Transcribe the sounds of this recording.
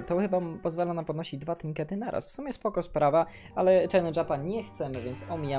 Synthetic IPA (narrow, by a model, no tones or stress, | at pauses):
t̪ɔxɘbapɔzvalanampɔd̪nɔɕid͡ʑd̪vat̪ʲiŋkɛt̪ɘnaɾʔa̰sfsumjɛspɔkɔspɾava | alɛt͡ʂɛnɛʐapaɲɛxt̪sɛmɘvʲjɛnt̪sɔmʲija